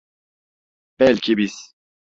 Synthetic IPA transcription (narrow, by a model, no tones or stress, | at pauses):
pɛlkibis